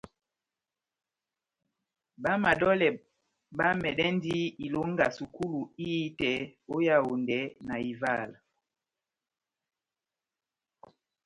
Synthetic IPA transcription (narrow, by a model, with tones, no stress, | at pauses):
ɓa˦ma˨ɗɔ˦lɛ˨ | ɓa˦mɛ˨ɗɛ˦ndi˦i˨lo˨˦ŋɡa˨su˨ku˦lu˨i˦tɛ˨o˦ja˦o˨ndɛ˨˦na˨i˨va˦˨l